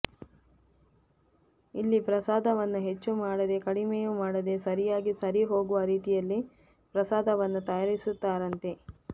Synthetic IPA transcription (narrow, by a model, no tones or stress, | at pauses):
ilːipɾɐsaːd̪ʱɐʋɐnːuɦe̞t͡ʃːumaːɽɐd̪e̞kɐɽimejumaːɽɐd̪e̞sɐɾijaːɡisɐɾiɦo̞ːɡuʋɐɾiːt̪ijɐlːi | pɾɐsaːd̪ʱɐʋɐnːut̪ɐjaːɾisut̪ːaːɾɐnt̪e̞